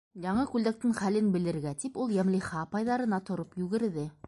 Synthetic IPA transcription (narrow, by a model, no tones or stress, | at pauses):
jɑɴɤkʉld̪æk̚t̪ɘŋχælɘnbɘ̆lɘ̆ɾɡæt̪ipulˠjæmliχɑːpɑjðɑɾɤ̆nɑt̪ŏɾopjʉɣɘ̆ɾðɘ